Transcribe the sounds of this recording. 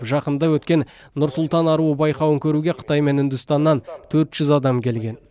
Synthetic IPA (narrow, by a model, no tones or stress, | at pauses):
pʒɑqənd̪ɑwɵt̪kʲe̞n | nʊɾsʊlˠt̪ɑnɑɾuəbɑjqɑwəŋkʲʰɵɾuɡʲeqʰə̥t̪ɑjme̞nʏnd̪ʏst̪ɑnːɑnt̪ʰɵɾt̪ʒ̥ʏzɑd̪ɑmkʲʰe̞lɡʲe̞n